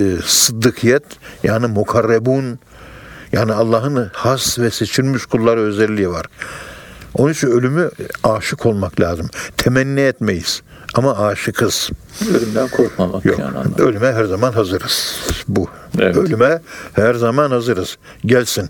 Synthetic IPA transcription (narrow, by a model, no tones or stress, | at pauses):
sɯd̪ːɯkʰijɛt̪jaːnimukʰaɾːebun | jaːniɑlˠːaːɦɯnhasvɛset͡ʃʰiɾmyʃkʰulˠːaɾɯø̞zɛlʲːijivaɾ̥ | onit͡ʃʰinø̞lʲymyaːʃɯkʰo̞lˠmaklʲaːzɯmt̪ʰɛmɛnːɛɛt̪mejiz̥ | amaaːʃɯkʰɯz̥ | ølymd̪ænkʰoɾkmamakjo̰ølʲymɛɦæɾzamanɦazɯɾɯz̥buølʲymɛhæɾzamanhazɯɾɯz̥ | ɟælʲsin